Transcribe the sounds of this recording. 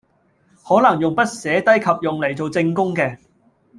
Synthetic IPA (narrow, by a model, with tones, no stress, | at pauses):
hɔː˨˥lɐ˨˩ŋjʊ˨ŋpɐ˥t̚sɛː˨˥t̪ɐ˥jkʰɐ˨p̚jʊ˨ŋle˨˩jt͡so˨wt͡sɪ˧ŋkʊ˥ŋkɛː˧